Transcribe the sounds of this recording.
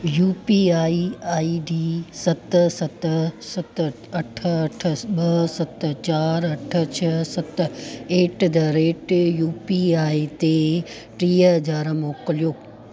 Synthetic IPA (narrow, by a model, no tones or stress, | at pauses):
juːpiaːiaːiɖiːsɐt̪sɐt̪sɐt̪ | ɐʈʰəɐʈʰəɓɐsɐt̪̆t͡ɕaːɾɐʈʰə̆t͡ɕʰɐsɐt̪̆eːʈd̪ɐɾeːʈjuːpiaːit̪e | ʈɾiːəd͡ʑaːɾəmoːkəlijoː